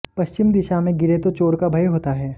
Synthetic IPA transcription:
pɐʃt͡ʃɪmd̪ɪʃamẽɡɪɾet̪ot͡ʃoːɾkabʱɐjɦoːt̪aɦɛː

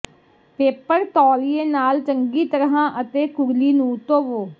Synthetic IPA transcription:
peːpəɾt̪ɔːlieːnaːlt͡ʃəŋɡiːt̪əɾɦãːʔət̪eːkʊɾliːnũːt̪oːʋoː

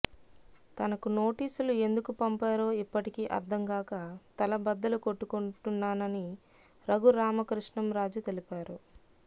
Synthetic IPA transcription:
t̪ɐnɐkuno̞ːʈiːsulue̞nd̪ukupɐmpaːɾo̞ːipːɐʈikiʔɐ̰ɾd̪ʰɐŋkaːkɐt̪ɐlɐbɐd̪ːɐluko̞ʈːukuɳʈunːaːnɐni | ɾɐɡuɾaːmɐkɾuʂɳɐmɾaːd͡ʒut̪e̞lipaːɾu

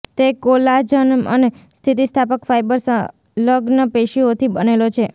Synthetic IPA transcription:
t̪ekolad͡ʒənmə̰ne | st̪ʰit̪ist̪ʰapəkfajbəɾsə | ləɡnəpeʃiot̪ʰibənelot͡ʃʰe

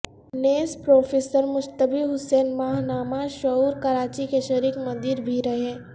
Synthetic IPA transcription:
neːspɾoːfʰeːsəɾmʊst̪əbiɦʊsɛːnmaːɦnaːmaʃɐuːɾkɐɾaːt͡ʃikeʃɐɾiːkmɐ̃nd̪iːɾbʱiɾɐɦeɛ̃ː

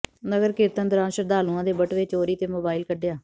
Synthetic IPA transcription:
nəɡəɾkɪːt̪ə̃nd̪əɾãːʃəɾd̪aːlũːãːd̪eːbəʈʋeːt͡ʃoːɾiːt̪eːmoːbaːɪlkəɖejaː

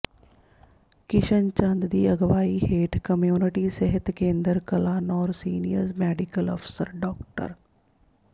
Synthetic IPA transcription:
kɪʃənt͡ʃənd̪d̪iːəɡʋaːiːɦeːʈkəmjuːnɪʈiːsɪɦət̪kẽːnd̪əɾkəlaːnɔːɾsiːnḭjə̰ɾzmɛːɖɪkəlɔ̰ːpʰɪ̥sə̰ɾɖɔːkʈə̰ɾ

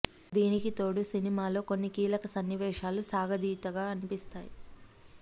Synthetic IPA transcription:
d̪iːnikit̪o̞ːɽusinimaːlo̞ːko̞nːikiːlɐkɐsɐnːjiʋɛːʃaːlusaːɡɐd̪iːt̪ɐɡaːɐnipist̪aːji

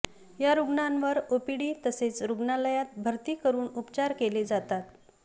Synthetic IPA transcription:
jaɾuɡɳanʋəɾopiɽiːt̪əset͡sɾuɡɳaləjat̪̚bʱəɾt̪iːkəɾuːnupt͡ɕaɾkeled͡zat̪at̪

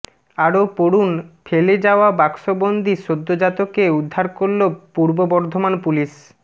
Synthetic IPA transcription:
aɾopoɾunfʰeled͡ʑaoabakʃobond̪ʱiʃod̪ːod͡ʑat̪okeud̪ʱːaɾkoɾlopuɾbobɔɾd̪ʱomanpuliʃ

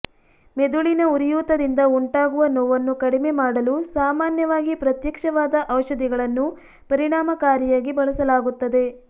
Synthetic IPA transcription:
med̪uɭinɐuɾijuːt̪ɐd̪ind̪ɐuɳʈaːɡuʋɐnɔːʋɐnːukɐɽime̞maːɽɐlusaːmaːnjɐʋaːɡipɾɐt̪jɐkʂɐʋaːd̪ɐʔɐʋʃɐd̪iɡɐɭɐnːu | pɐɾiɳaːmɐkaːɾjɐjaːɡibɐɭɐsɐlaːɡut̪ːɐd̪e̞

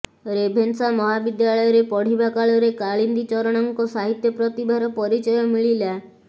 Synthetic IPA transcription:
ɾebʱensamɔɦabid̪jalɔjɔɾepɔɽ̤ibakaɭɔɾekaɭind̪it͡ʃɔɾɔɽ̃ɔŋkɔsaɦit̪jɔpɾɔt̪ibʱaɾɔpɔɾit͡ʃɔjɔmiɭila

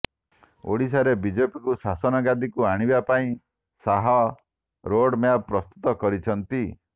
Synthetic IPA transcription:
o̰ɽisaɾebid͡ʒepikusasɔnɔɡad̪ikuaɽ̃ibapaĩ | saɦɔ | ɾoɽmjabpɾɔst̪u̥t̪ɔkɔɾit͡ʃʰɔnt̪i

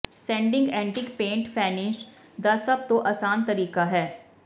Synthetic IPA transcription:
sɛ̃ːɳɖɪ̃ŋɡɛ̃ːɳʈɪkpẽːɳʈfʰɛːnɪʃ | d̪ɐsɐb̚t̪oʔɐsaːnt̪ɐɾiːkaɦɛː

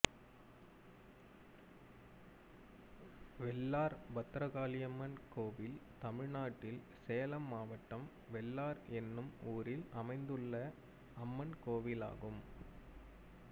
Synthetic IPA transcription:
ʋɛlːaːɾbɐt̪ːɾɐɣaːlɪjɐmːɐnkoːʋɪlt̪ɐmɪɻnaːʈːɪl | sɛjɐlɐmːaːʋɐʈːɐm | ʋɛlːaːɾɛnːɯmuːɾɪlɐmɐɪnd̪ɯɭːɐ | ɐmːɐnkoːʋɪla̰ːɣɯm

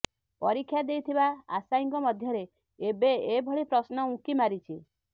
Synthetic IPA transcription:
pɔɾikʰːjad̪ejt̪ʰibaa̰saiŋkɔmɔd̪ʱjɔɾe | ebeːbʱɔɭipɾɔsnɔũkimaɾit͡ʃʰi

